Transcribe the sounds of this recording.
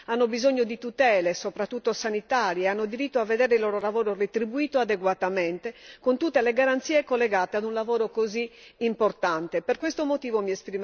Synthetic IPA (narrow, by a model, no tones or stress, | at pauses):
anːobizoɲːod̪it̪ut̪ɛːlesopɾat̪ːut̪ːosanit̪aːɾjeanːod̪iɾit̪ːoavːed̪ɛːɾeilːɔːɾolavɔːɾoret̪ɾibuiːt̪oad̪eɡwat̪amɛnt̪ekont̪ut̪ːeleɡaɾant̪siːekolːɛɡaːt̪ead̪unlavɔːɾokoziːmpoɾt̪ant̪epeɾkwest̪omot̪iːvomiespɾim